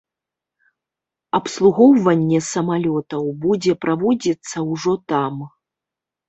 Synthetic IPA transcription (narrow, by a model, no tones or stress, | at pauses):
ɐpslˠuɣɔwvɐnʲːɛsɐmalʲɔt̪ɐwbud͡zʲɛpɾavɔd͡zʲit̪sːɐwʐɔt̪am